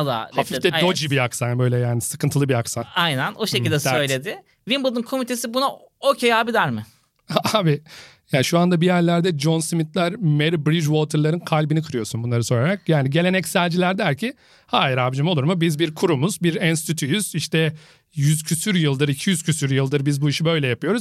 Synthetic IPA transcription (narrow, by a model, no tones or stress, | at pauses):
ad̪a̰hafift̪ɛod͡ʒibiaksanbø̞jlʲɛjaːnisɯkɯnt̪ɯlˠɯbiaksanajnænoʃecilʲd̪ɛsø̞jlʲed̪ɪ | vimbɯlˠd̪ɯnkʰo̞mit̪ʰe̞sibuna | ocʰejaːbid̪æɾmɪ | abijaːniʃuand̪abijæɾlʲæɾd̪ɛd͡ʒo̞nsmit̪lʲæɾmeɾibɾid͡ʒwot̪ʰɯɾlˠaɾɯnkʰalʲbinikʰɯɾɯjo̞sunbunlˠaɾɯso̞jɾaɾak̚jaːniɟe̞lʲenɛcsælʲd͡ʒilʲæɾd̪æɾcʰi | haːjiɾaːbd͡ʒimo̞lˠuɾmubizbiɾkʰuɾumuzbiɾɛnst̪ʰyt̪ʰyjyz̥iʃt̪ɛ | jyz̥cʰysyɾjɯlˠd̪ɯɾicʰijyz̥cʰysyɾjɯlˠd̪ɯɾbizbuiʃibø̞jlʲɛjapɯjo̞ɾuz̥